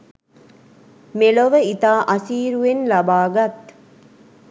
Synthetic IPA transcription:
meloʋəit̪aːʔɐsiːɾuenlɐbaːɡat̪

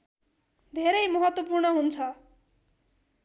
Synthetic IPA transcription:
d̪ʱeɾʌjmʌɦʌt̪wʌpurnʌɦunt͡sʰʌ

